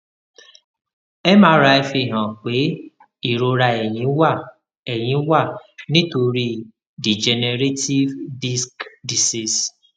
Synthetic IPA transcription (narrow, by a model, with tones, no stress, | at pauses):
ɛ˦mãː˨˦ɾa˧ɛ˧fi˧˨ɦã˨k͡pe˨˦ | i˦˨ɾo˧ɾa˧˨ɛ˨jĩ˨˦wa˦˨ | ɛ˨j̃ĩ˨˦wa˦˨nĩ˦to˧ɾi˧ | di˨d͡ʒɛ˨ne˧ɾe˦ti˦vdi˦skdi˨si˦˨s